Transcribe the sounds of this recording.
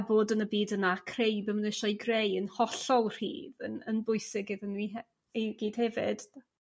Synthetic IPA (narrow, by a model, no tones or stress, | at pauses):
boːdənəbiːdənakʰrejbəmənɪʃɔjɡrejənhɔɬɔwˠr̥ḭːðənənbʊɨsɪɡɪðənwiɛ | eɡ̥iːd̥hɛvɪd̥